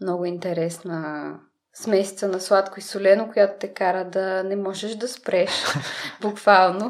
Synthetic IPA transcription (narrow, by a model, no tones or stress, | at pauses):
mnɔɡʊint̪ɛɾɛsnə | smɛsit̪sənɐslˠat̪koisʊlɛnokʊjat̪ʊ̥t̪ɛkaɾəd̪ɐnɛmɔʒɛʃd̪ɐspɾɛʃbʊkvalˠno